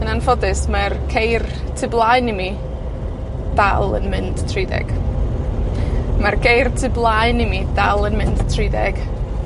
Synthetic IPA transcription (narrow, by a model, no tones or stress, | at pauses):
ənanfɔdɨsmarkʰejrtʰɨblˠajnimi | d̥alˠə̰nmɪnd̥tʰriːdɛ̰ɡ̥ | marɡejrtʰɨblˠajnimidalˠənmɪnd̥tʰriːdɛɡ̥